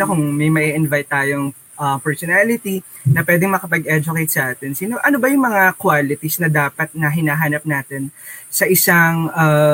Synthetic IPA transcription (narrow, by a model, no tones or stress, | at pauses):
ɐkʊŋmɐjmɐʔiʔɪnvajt̪ːaːjoŋ | ʔɐpɛɹsɔnaːlɪt̪i | nɐpwɛːd̪ɛŋmɐkɐpɐɡʔɛd͡ʒʊkejt̪̚sɐʔaːt̪ɛnsiːnoʔɐnobɐjʊŋmɐŋakwaːlɪt̪isnɐd̪aːpɐt̪̚nɐɦɪnaːɦaːnɐp̚naːt̪ɛnsɐʔɪsaŋʔɐ